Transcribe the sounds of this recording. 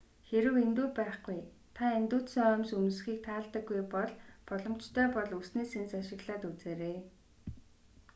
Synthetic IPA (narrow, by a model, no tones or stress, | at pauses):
xeɾɘ̆went̪uːpæːχɡuj | t̪ʰaent̪uːt̪səŋœmsunsxiːk̚t̪ʰaːɮt̪ə̆ɡːujpɔɮpɔɮɞ̆m̥t͡ɕt̪ʰœːpɔɮusneːsent͡saʃɪ̆ɣɮaːt̪ut͡seːɾeː